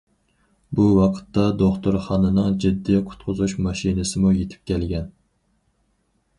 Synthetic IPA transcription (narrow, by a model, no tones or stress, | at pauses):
buwɑqʰə̥t̪ːɑd̪oχt̪ʊɾχɑnɨnɨŋd͡ʒid̪ːiqʰʊ̥t̪̚qʰʊzuʃmɑʃinɨsɨmujet̪ʰɪ̥p̚kʲʰɛlɡʲɛn